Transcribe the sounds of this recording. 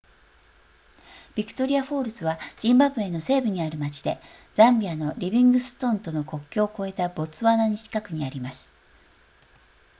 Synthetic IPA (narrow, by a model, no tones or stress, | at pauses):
b̥ʲikɯ̥t̪o̞ɾʲiaɸo̞ːɾɯ̟sɨβad͡ʑ̥ĩmbabɯ̟̃e̞no̞se̞ːbɯ̟ɲ̟iaɾɯ̟mat͡ɕi̥d̪e̞ | d͡zãmbʲiano̞ɾʲibʲĩŋɡɯ̟sɨ̥t̪õ̞nt̪o̞no̞ko̞kʲːo̞ːko̞e̞t̪abo̞t͡sɨβanaɲiɕi̥kakɯ̟ɲ̟iaɾʲimasɨ̥